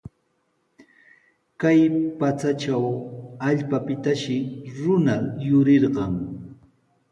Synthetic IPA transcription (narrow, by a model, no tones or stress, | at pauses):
kajpat͡sat͡ʃawaʎpapɪt̪aʃɪɾʊnajʊɾeɾɢɑŋ